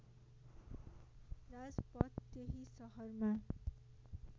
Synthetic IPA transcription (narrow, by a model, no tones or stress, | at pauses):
rad͡zpʌt̪ːeɦisʌɦʌrma